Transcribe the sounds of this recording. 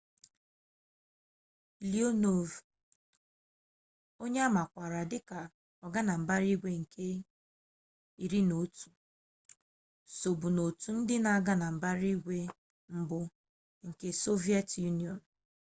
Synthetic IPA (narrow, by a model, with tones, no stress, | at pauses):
li˦o˦no˨v | o˦ɲe˦a˦ma˨kʷa˨ɾa˨dɪ˦ka˨ | ɔ˨ɡa˦na˨m̩˨ba˦ɾi˦ɡʷe˦ŋ̩˨kʰe˦ | i˨ɾi˦no˨tu̥˨ | so˨bu˨no˨tu˨n̩˦dɪ˦na˨a˨ɡa˦na˨m̩˨ba˦ɾi˦ɡʷe˦ | m̩˦bʊ˦ | ŋ̩˨ke˦so˦vi˦e˦tju˦ni˨ɔ˨n̩˨